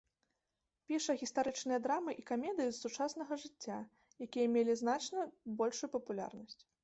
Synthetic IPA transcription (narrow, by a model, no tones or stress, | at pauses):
pʲiʂɐɣʲist̪aɾɨt͡ʂnɨjɐd̪ɾamɨʔikamʲɛd̪ɨjisut͡ʂasn̪ɐɣɐʐɨt͡sʲːa | jakʲijɐmʲelʲiznat͡ʂnɐbɔlʲʂujupɐpulʲa̰rnɐsʲt͡sʲ